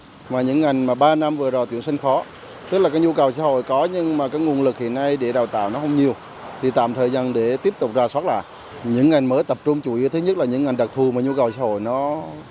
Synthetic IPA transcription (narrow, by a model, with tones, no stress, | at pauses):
maː˨˩ɲɨ̰˧˥ŋːa˨˩jŋmaː˨˩ɓaː˧na˧mvɨ˨˩zɔ˨˩t̪ḭ˧˩əŋsï˧ŋ̟fɔ˨˦ | t̪ɨ˦˥k̚laː˨˩k̚ːɲu˧kə˨˩wsaː˧˦ɦo̰˧˨jkɔ˨˦ɲɨ˧ŋmaː˨˩kaː˨˦kŋu˨˩ənlɨ˨˩k̚hḭ˧˨əna˧jɗe˧˩ɗaː˨˩wt̪a̰ː˧˨wnɔ˨˦ɦə˧wŋ͡mɲi˨˩əw | t̪ʰi˨˩t̪a̰ː˧˨mt̪ʰəː˨˩jzaː˧˩nɗe˧˩t̪i˦˥əp̚t̪ʊ˨˩k͡p̚zaː˨˩swaː˦˥t̚laː˨˩ | ɲɨ̰˧˥ŋːa˨˩jŋ̟məː˨˦jt̪ə˨˩p̚t͡ɕʊ˧ŋ͡mt͡ɕu˧˩ʔḭ˧˦t̪ʰɨ˨˦ɲə˦˥laː˨˩ɲɨ̰˧˥ŋːa˨˩ŋ̟ɗə˨˩k̚t̪ʰu˨˩maː˨˩ɲu˧kə˨˩wsaː˧˦ho̰˧˨jnɔ˨˦